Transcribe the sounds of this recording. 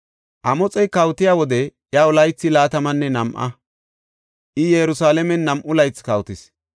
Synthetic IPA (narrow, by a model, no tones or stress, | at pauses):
ʔɐmɔt͡sʼɛjkɐwt̪ɪjaːwɔd̪ɛʔjaʊlɐjt͡sːɪlaːt̪ɐmɐnːɛnɐmʔɐ̰ | ʔɪjɛjɾʊsaːlɛmɛnːɐmʔʊlɐjt͡skɐwt̪ɪs